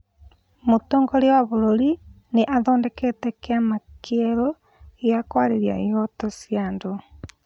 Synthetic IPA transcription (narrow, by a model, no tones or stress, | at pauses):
motoːŋɡɔɾewaβoɾoɾi | neʔaðɔːndɛkɛtɛkeamakɛɾo | ejakwaɾeɾia̰eɔtosjando